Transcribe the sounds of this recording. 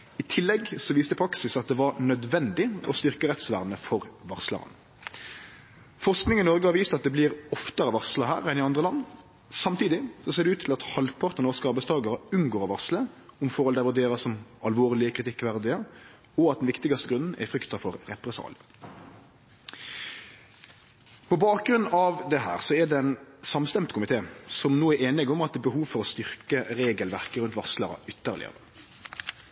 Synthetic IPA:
ɪt̪ʰɪlːɛɡsɔʋiːst̪əpʰɾɑksɪsɑt̪̚d̪ɛʋɑɾnœd̪ʋɛnd̪ɪɔst̪ʏʁkəɾɛt̪sʋæ̰ʁnəfɔʁʋɑʁslɑ̰ʁɑ̰n | fɔʁsknɪŋɪnɔʁɡəhɑʁʋiːst̪ɑt̪̚d̪ɛblɪʁɔft̪əɾəʋɑʁsləɦæ̰ːʁɛnɪɑnd̪ʁəlɑnː | sɑmt̪iːd̪ɪsɔseːʁd̪ɛʉːt̪ʰɪlɑt̪hɑlpʰɑʁt̪ənɔskɑɾbəsd̪ɑːɡɑɾəʉnɡoːɾɑʋɑʁsləɔmfɔɾɔld̪ɛʋʊɾd̪eːɾɑsɔmɑlʋoːʁlɪəkʰɾɪt̪ʰɪkːʋæʁd̪ɪə | ɔɑt̪d̪ɛnʋɪkt̪ɪɡɑst̪əɡɾʉnn̩æ̰fɾʏkt̪ɑfɔɾʁɛpɾɛsɑ̰ːlə | pʰɔbɑːk̚ɡɾʉnːɑʋd̪ɛɦæ̰ːʁsɔɛd̪ɛɛnsɑmst̪ɛmt̪kʰʊmɪt̪ʰeːsɔmnoːæɾeːnɪɡʊmɑt̪d̪ɛːbəɦuːʋfɔɾɔst̪ʏʁkəɾeːɡəlʋæʁkəɾʉnt̪ʋɑslɑʁɑ̰ʔʏt̪ːəʁlɪ̰ə̰ʁə

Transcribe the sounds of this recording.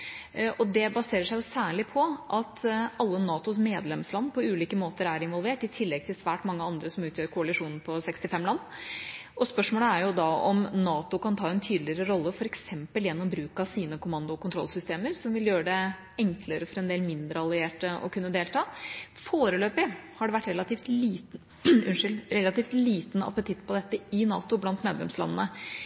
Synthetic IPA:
ʔɔd̪ɛbɑseːɾəʂæɪjʊsæːɭɪpʰɔʔɑt̪ʰɑlːənɑːt̪ʊsmeːd̪lɛmslɑnːpʰɔʉːliːkəmoːt̪əɾæɾɪnʋɔlʋeːʈɪt̪ʰɪlːɛɡ̚t̪ʰɪlsʋæːʈmɑŋːəɑnd̪ɾəsɔmʉːt̪ʰjøːɾkʰʊɑlɪʂuːnn̩pʰɔsɛkst̪ɪfɛmːlɑnːʔɔspœʂmoːləæɾjʊd̪ɑɔ̰mnɑːt̪ʊkɑnt̪ʰɑːɛnt̪ʰyːd̪lɪəɾəɾɔlːəfɔɾɛksɛmpəljɛnːɔmbɾʉːkɑsiːnəkʊmɑnd̪ʊɔkʊnt̪ɾɔ̰lsʏst̪eːməɾsɔmʋɪljøːəɖɛ | ɛŋkləɾəfɔɾɛnd̪eːlmɪnd̪ɾəɑlɪeːʈəɔ̰kʰʉnːəd̪eːlt̪ʰɑːfoːɾəløːpɪhɑɖɛʋæʈːɾɛlɑt̪iːft̪liːt̪n̩ | ʉnʂʏlɾɛlɑt̪iːft̪liːt̪n̩ɑ̰pət̪ʰɪt̪ːpʰɔd̪ɛt̪ːəɪnɑ̰ːt̪ʊblɑnt̪meːd̪lɛ̰mslɑ̰nːənə

